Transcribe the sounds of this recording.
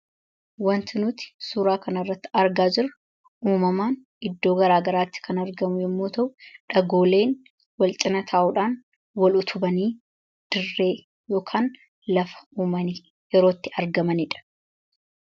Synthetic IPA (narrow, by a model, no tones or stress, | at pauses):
wɐnt̪ɪnʊt̪ɪ̥suːɾaːkɐnɐrːɐt̪ːɪɐɾɡaːd͡ʒɪɾɐ | ʔuːmɐmaːn | ɪd̪ːo̞ːɡɐɾaːɡɐɾaːt̪ːɪ̥kʰɐnɐɾɡɐmʊjɛmːoːt̪ɐʔʊᶑɐɡo̞ːle̞ːn | wɐlt͡ʃ̪ʼɪnɐt̪ʰaːʔʊᶑaːn | wɐlʊt̪ʰʊbɐniː | d̪̥ɪrːe̞ː | jo̞ːkʰaːn | lɐfɐ̥uːmɐni | jɛɾoːt̪ːɪɐɾɡɐmɐnɪᶑɐ̥